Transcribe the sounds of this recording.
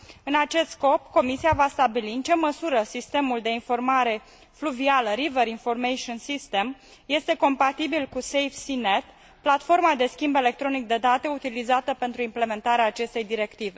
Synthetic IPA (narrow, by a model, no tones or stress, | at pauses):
ɨnat͡ʃe̞st̪sko̞pko̞misiavast̪abiliɨnt͡ʃe̞məsuɾəsist̪e̞muld̪e̞info̞rmaɾe̞ | fluvialəɾiveɾinfo̞rmejʃionsist̪e̞m | je̞st̪e̞ko̞mpat̪ibilkusejfsine̞t̪ | plat̪fo̞rmad̪e̞skʲimbe̞le̞k̚t̪ɾo̞nik̚d̪e̞d̪at̪e̞ut̪ilizat̪əpe̞nt̪ɾuimple̞me̞nt̪aɾeaːt͡ʃe̞st̪e̞jd̪iɾe̞kt̪ive̞